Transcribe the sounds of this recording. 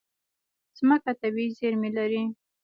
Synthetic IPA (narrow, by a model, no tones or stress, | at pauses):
z̥məkat̪awizeɾmelaɾi